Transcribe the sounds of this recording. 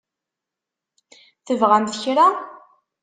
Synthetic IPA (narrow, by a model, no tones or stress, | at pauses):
θəvʁæmθəçɾa